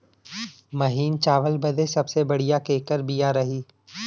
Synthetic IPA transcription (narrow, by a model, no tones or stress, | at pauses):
mɐɦiːnt͡ʃaːʋəlbɐd̪ʱesɐbsebɐɽijakeːkəɾbijaɾɐɦiː